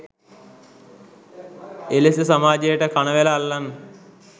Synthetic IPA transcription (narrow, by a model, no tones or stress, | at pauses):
elesəsamaːd͡ʒejəʈəkanəʋelaːlːan